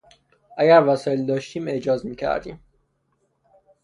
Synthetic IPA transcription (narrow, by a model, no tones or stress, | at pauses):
ʔæɡæɾvæsɒːjeld̪ɒːʃt̪iːmeʔd͡ʒɒːzmiːcʰæ̰ɾd̪ḭːm